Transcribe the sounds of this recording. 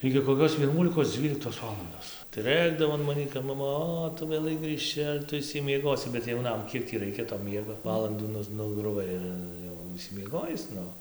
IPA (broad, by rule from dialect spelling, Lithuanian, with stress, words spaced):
ɪɡʲɪ koːˈkʲoːs ʋʲiɛˈnuɔlʲɪkoːs ˈd͡zʲʋʲiːlʲɪktoːs ˈʋɑːlˠɐndoːs tɐɪ ˈrɘɡdɐʋoː ɐn ˈmɑːnʲiː kɐp mɐˈmɐ ˈoː ˈtʊ ʋʲeːˈlˠɐɪ ɡrɨʃʲˈt͡ʃʲɪ ɐr ˈtʊ ɪʃʲsʲɪmʲiɛˈɡoːsʲɪ bʲɛt jɛʊˈnɐm ˈkʲiɛk tʲiː ˈrɐɪkʲɛ toː ˈmʲiɛɡoː ˈʋɑːlˠɐnduː ˈnʊs nʊɡrʊˈʋɐɪ ɪr ˈjɛʊ ɪʃʲsʲɪmʲiɛˈɡoːjɪs ˈnʊ